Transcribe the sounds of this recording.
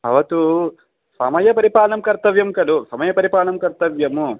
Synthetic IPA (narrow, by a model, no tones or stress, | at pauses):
ɐ̰ʋɐt̪u | sɐmɐjɐpɐɾipaːlɐmkɐɾt̪ɐʋjɐmkɐlusɐmɐjɐpɐɾipaːlɐmkɐɾt̪ɐʋjɐmu